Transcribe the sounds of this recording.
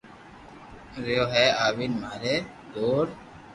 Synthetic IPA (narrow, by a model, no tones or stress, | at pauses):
ɾeoːɦɛːaːʋinmaːɾeː | d̪oːɾ